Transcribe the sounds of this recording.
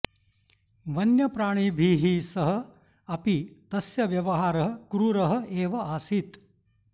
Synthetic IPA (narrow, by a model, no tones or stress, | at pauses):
ʋɐnjɐpɾaːɳ̃ibʱiːɦisɐɦɐ̆ | ɐpit̪ɐsjɐʋjɐʋɐɦaːɾɐɦɐ̆kɾuːɾɐɦɐ̆eːʋɐʔaːsit̪